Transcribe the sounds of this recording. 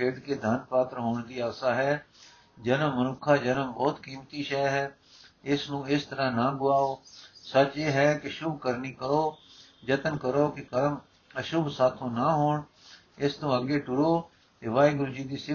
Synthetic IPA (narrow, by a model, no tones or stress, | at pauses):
eːʈkeːd̪ʱaːnpaːt̪ɾəɦoːɳd̪iːaːsaːɦɛː | d͡ʒənəmːənʊkʰaːd͡ʒənəmbɔːt̪kiːmt̪iːʃɛːjɦɛː | ɪsnũːɪst̪əɾãnaːɡʊaːoːsət͡ʃeːɦɛːkɪʃʊbʱkəɾniːkəɽoːd͡ʒət̪ənkəɾoːkekəɾm | əʃʊbʱsaːt̪ʰõːnaːɦoːɳ | ɪst̪õːəɡeːʈʊɾoː | t̪eʋaːiɡʊɾʊd͡ʒiːd̪iːsɪ